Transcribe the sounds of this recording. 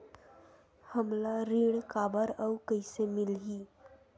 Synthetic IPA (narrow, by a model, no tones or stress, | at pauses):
həmlaɾiɳkabəɾəwkəjsemilɦiː